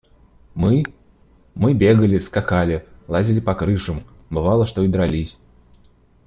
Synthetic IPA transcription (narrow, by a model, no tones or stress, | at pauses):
mɨ | mɨbʲeɡəlʲɪskakalʲɪlˠazʲɪlʲɪpɐkɾɨʂɨm | bɨvalˠəʂt̪oid̪ɾɐlʲisʲ